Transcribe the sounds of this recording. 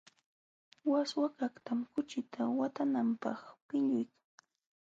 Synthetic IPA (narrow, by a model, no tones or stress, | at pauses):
waswakakt̪amkʊt͡ʃɪt̪ʰawat̪anampɑ̰χpɪʎʊjkḁŋ